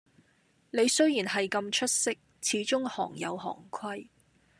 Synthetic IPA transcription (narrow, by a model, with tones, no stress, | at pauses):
ne˨˧jsɵ˥ɥjiː˨˩nɦɐ˨jkɐ˧mt͡ʃʰɵ˥t̚sɪ˥k̚ | t͡sʰiː˨˥t͡ʃʊ˥ŋhɔː˨˩ŋjɐ̰˨˧wɦɔ̰ː˨˩ŋkʰɐ˥j